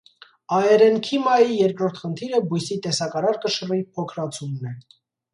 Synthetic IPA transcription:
ɑɛɾɛnkʰimɑjijɛɾkɾɔɾt̪ʰχənt̪ʰiɾəbujsit̪ɛsɑkɑɾɑɾkəʃəripʰɔkʰɾɑt͡sʰumnɛ

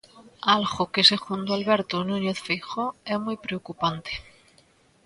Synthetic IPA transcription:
alɣokesexunt̪oalβeɾt̪onũɲeθfixoɛmujpɾeokupant̪e̥

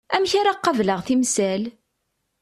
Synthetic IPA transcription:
æmçaɾaqːɑvləʁθimsæl

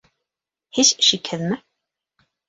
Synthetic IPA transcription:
het͡ɕʃikhɘðmɘ

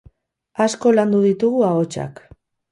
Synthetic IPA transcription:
asko̞land̪uðit̪uɣuaot͡ʃa̰k

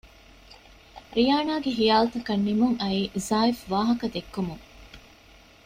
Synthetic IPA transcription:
ɾijaːnaːɡeɦijaːlut̪ɐkɐnːimuŋɐiːzaːifʋaːɦɐkɐd̪ekːumuŋ

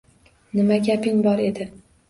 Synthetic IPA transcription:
nɪmaɡʲapɪŋbɒɾe̞d̪ɪ

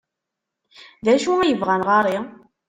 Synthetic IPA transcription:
ðæʃuæjəvʁænʁaɾˤi

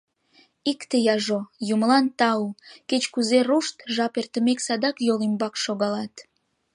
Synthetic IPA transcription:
ikt̪ejɑʒojumlɑnt̪ɑuket͡ɕkuzeruʃt̪ʒɑpert̪əmeksɑd̪ɑkjolimbɑkʃoɣɑlɑt̪

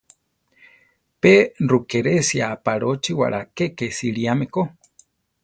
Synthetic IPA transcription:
perukeɾesiapaɾot͡ʃiwa̰ɾʔakekesiɾiameko

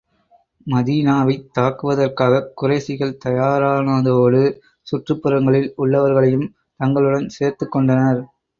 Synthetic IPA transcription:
mɐðiːnaːʋɐɪt̪ːaːkɯʋɐðɐrkaːɣɐkːʊrɐɪsɪɣɐɭt̪ɐjaːɾaːnaðoːɽɯ | sʊʈrɯpːɯɾɐŋɡɐɭɪlʊɭːɐʋɐɾɣɐɭɐjɯm | t̪ɐŋɡɐɭɯɽɐnseːɾt̪ɯkːɔɳɖɐnɐɾ

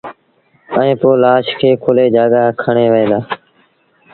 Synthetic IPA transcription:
əẽːpoːlaːʃkʰeːkʰʊleːd͡ʒaːɠaːkʰəɳeːʋəẽːd̪aː

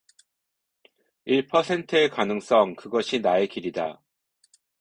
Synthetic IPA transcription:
iɭpʰʌsʰe̞ntʰɯekanɯŋs͈ʌŋkɯɡʌɕʰinaekiɾida

